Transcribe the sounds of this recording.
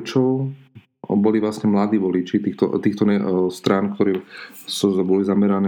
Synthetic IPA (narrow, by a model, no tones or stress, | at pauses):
t͡ʃɔʊ | bɔliʋlasɲɛmlad̪iːʋɔlit͡ʃit̪iːxt̪ɔ̰t̪iːxt̪ɔnɛst̪ɾaːnkt̪ɔɾɛːsubɔlizamɛɾanɛ